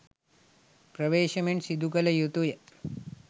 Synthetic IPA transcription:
pɾɐʋeːʃɐmeɳʈsid̪ʱukɐlɐjut̪uje

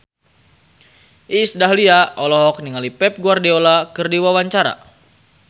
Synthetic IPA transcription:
ʔisdaɦliaɔlɔɦɔk̚niŋalipɛp̚ɡuardeolakɨrdiwawaɲt͡ʃaɾa̰

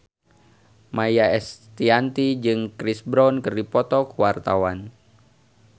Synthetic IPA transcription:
majaɛst̪iant̪id͡ʒɨŋkɾisbɾɔnkəripɔt̪ɔkuwart̪awan

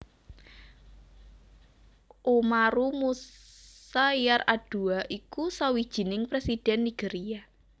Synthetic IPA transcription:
ʔomaɾumu | sajarad̥ṳaʔikusawi̥ʒ̥i̤nɪŋpɾesid̥ɛnːiɡ̥eɾia

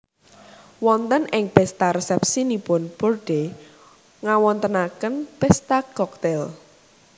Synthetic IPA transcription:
wɔnt̪ənɪŋpɛst̪aɾəsɛp̚sinipʊnporɖ̥e | ŋawɔnt̪ənakənpɛst̪akɔk̚t̪ɛl

